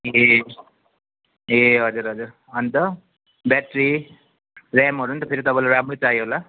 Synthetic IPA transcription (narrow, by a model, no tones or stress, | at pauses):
je | jeɦʌd͡zuɾɦʌd͡zuɾ | ʌnt̪ʌ | bɛʈɾi | ɾɛmɦʌɾuːnt̪ʌpʰeɾit̪ʌpãjlaɾamɾut͡saɦjɦola